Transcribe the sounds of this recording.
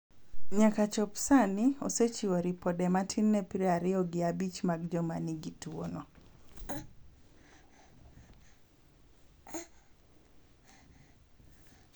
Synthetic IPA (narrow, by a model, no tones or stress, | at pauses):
ɲakat͡ʃɔpsaniɔset͡ʃiwoɾipɔdɛmatʰinːɛpiɾɛaɾɪɔɡɪabit͡ʃmaɡd͡ʒɔmaniɡitwonɔ